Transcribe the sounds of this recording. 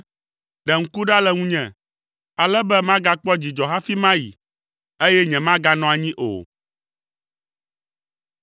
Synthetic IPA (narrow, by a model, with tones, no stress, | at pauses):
ɖɛ˨ŋ̩˦ku˦ɖa˦lɛ˦ŋũ˦ɲɛ̃˨ | a˨lɛ˦bɛ˦mã˦ɡa˦k͡pɔ˦d͡ʑi˨d͡ʒɔ˨ɦa˦fi˦mã˦jḭ˨ | e˦jɛ˦ɲɛ̃˨mã˦ɡa˦nɔ̃˦a˨ɲĩ˦ʔo̰˨